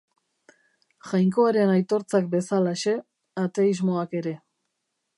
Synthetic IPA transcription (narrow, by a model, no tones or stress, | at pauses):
ʝajŋko̞aɾe̞najt̪o̞ɾt͡sak̚be̞salaʃe̞ | at̪e̞izmo̞ake̞ɾe̞